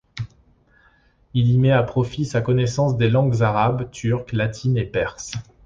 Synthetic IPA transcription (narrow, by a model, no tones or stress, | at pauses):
ilimɛapχɔfisakɔnɛsɑ̃sd̪elɑ̃ɡzaʁabt̪ʰyʁklat̪ʰinepɛʁs